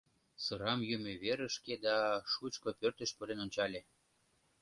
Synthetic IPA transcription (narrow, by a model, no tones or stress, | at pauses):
sɤɾɑmjymeβeɾə̆ʃked̪ɑʃut͡ɕkopørt̪ə̆ʃpəɾenont͡ɕɑlʲe